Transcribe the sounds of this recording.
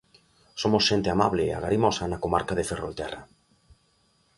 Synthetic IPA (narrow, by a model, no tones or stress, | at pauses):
somʊsʃent̪eɪamaβleːa̰ɣaɾimɔsɐnakomaɾkaðeferolt̪ɛrɐ̰